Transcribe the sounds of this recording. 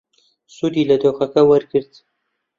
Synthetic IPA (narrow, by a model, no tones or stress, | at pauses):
sud̪ilad̪oxakawəɾkəɾt̪